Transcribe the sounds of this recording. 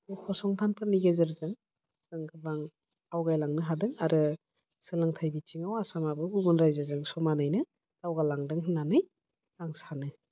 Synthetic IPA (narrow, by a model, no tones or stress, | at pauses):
ukʰɔsɔŋtʰanpʰɯniɡezɯɾzɯŋ | sɯŋkʰɯbaŋ | awɡajlaŋnɯɦadɯŋaɾʔɯ | sɯlaŋtʰajbitiŋawasamabɯɡubunɾajzazɯŋsɔmanajnɯ | tawɡalaŋdɯŋɦɯnanɯj | laŋsanɯ